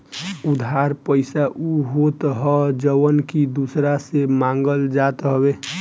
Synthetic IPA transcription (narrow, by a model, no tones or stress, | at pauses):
ud̪ʱaɾpəɪsaʔuɦot̪ɦɔd͡ʒəwənkid̪usɾasemãŋɡəld͡ʒat̪ɦəbe